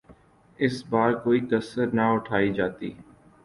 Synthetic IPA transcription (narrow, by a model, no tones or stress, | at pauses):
ɪsbaːɾkoːikəsəɾnaʊʈʰaːid͡ʒaːt̪ḭː